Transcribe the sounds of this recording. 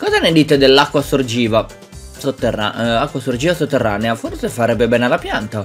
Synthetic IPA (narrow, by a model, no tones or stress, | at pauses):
kɔːzaned̪iːt̪ed̪elːakːwasord͡ʒiːva | sot̪ːera̰akːwasord͡ʒiːvasot̪ːerːaːneaforsefaɾɛbːebɛːnealapjant̪a